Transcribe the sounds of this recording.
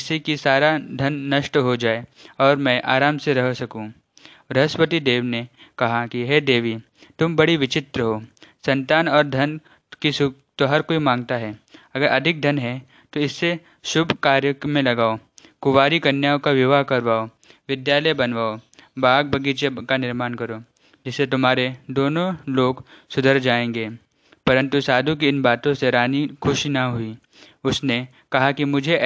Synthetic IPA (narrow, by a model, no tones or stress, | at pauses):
sekisaːɾad̪ʱɐnːɐʃʈɦod͡ʒaːeɔːɾmɛ̃ːʔaːɾaːmseɾɐɦsɐkũ | ɾɐɦəspət̪id̪eːʋnekɐɦakiɦɛːd̪eːʋi | t̪ʊmbɐɽiʋɪt͡ʃɪt̪ɾəɦoːsɐ̃nt̪aːnɔːɾd̪ʱɐn | kisʊ | t̪oɦɐɾkoimãːŋɡ̚t̪aɦɛːɐɡəɾʔɐd̪ʱɪk̚d̪ʱɐnɦɛ | t̪oɪsːe | ʃʊbʱkaːɾjəkmẽlɐɡaːokʊʋaːɾikɐɾnjaːokaʋjɪʋaɦkɐɾʋaːo | ʋɪd̪jaːləjbɐnʋaːobaːɡ̚bʱɐɡit͡ʃekanɪɾmaːnkɐɾoː | d͡ʒɪsːet̪ʊmɦaːɾed̪oːnõloːɡsʊd̪ʱəɾd͡ʒaːẽːŋɡeː | pɐɾə̃nt̪usaːd̪ʱũk̬iɪnbaːt̪õseɾaːnikʰʊʃinɐɦʊi | ʊsne | kɐɦakimʊd͡ʒʱe